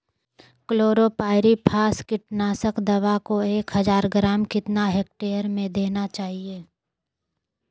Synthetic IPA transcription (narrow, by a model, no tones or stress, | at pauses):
kloːɾopaːɪɾipʰaːskɪʈnaːsəkd̪ɐʋakoeːkɦɐzaːɾɡɾaːmkɪt̪naɦeːk̚ʈeːəɾmẽd̪eːnat͡ʃaːɦieː